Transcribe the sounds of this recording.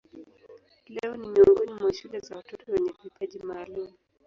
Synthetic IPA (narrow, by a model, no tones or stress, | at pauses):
lɛɔnimiuŋɡɔnimwaʃulɛzawatɔtɔwɛɲɛvipʰaʄimaːlumu